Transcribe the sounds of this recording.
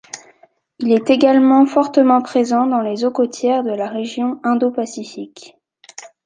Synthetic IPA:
ilɛt̪eɡalmɑ̃fɔʁt̪əmɑ̃pχezɑ̃d̪ɑ̃lezokot̪jɛʁd̪əlaʁeʒjɔ̃ɛ̃d̪opasifik

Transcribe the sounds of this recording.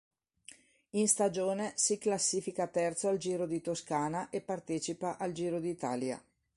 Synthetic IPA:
inst̪ad͡ʒoːnesiklasːiːfikat̪ɛrt̪soald͡ʒiːɾod̪it̪oskaːnaʔepːart̪eːt͡ʃipaʔald͡ʒiːɾod̪iːt̪a̰ːlja̰

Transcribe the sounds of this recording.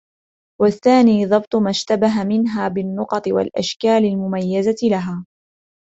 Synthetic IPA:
waθːaːniːðˤɑbt̪ˤmaʃt̪abaɦamɪnɦaːbɪnːʊqɑt̪ˤɨwa̰lʔa̰ʃkaːlɪlmʊmajːazat̪ɪlaɦaː

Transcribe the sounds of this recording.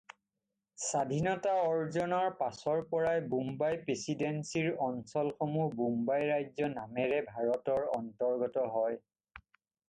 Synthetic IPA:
sadʱinɔtaɔɹzɔnɔɹpasɔɹpɔɹajbumbajpɹesidensiɹɔnsɔlxomubumbajɹajzɔnamɛɹɛbʱaɹɔtɔɹɔntɔɹɡɔtɔɦɔj

